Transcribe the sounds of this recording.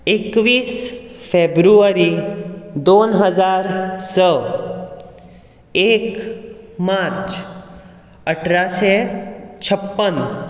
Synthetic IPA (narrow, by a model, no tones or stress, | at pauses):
ekʋisfebɾuəɾid̪onɦəd͡ʒaɾsə | ek | maɾt͡ʃ | əʈʰɾaʃet͡ʃʰəpːən